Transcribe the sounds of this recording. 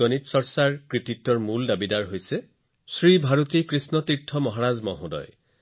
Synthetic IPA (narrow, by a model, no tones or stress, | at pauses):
ɔnitsɔɹsaɹkɹititːɔɹmuldabidaɹɦojse | sɹibʱaɹot̪ikɹisnɔt̪iɹtʰːɔmɔɦaɹazmɔɦũdɔ̰j